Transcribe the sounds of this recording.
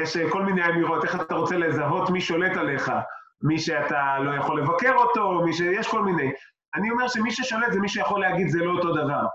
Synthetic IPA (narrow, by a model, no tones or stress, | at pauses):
jeʃko̞lminejamiʁo̞t̪e̞χat̪aʁo̞t͡sele̞zaɦo̞t̪miʃo̞le̞t̪ale̞χa | miʃe̞at̪alo̞jaχo̞lːe̞vake̞ʁo̞to̞miʃejeʃko̞lminej | anio̞meʁʃemiʃeʃo̞let̪zemiʃujaχo̞leaɡid̪zelo̞oto̞davaʁ